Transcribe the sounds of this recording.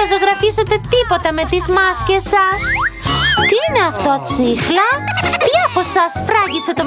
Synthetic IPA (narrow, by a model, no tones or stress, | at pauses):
ɐzo̞ɣɾɐfiset̪e̞t̪ipo̞t̪ɐme̞t̪izmɐscesɐs | t̪iine̞ɐft̪o̞ɐt͡sixlɐpjɐɐpo̞sɐsfɾɐʝise̞t̪o̞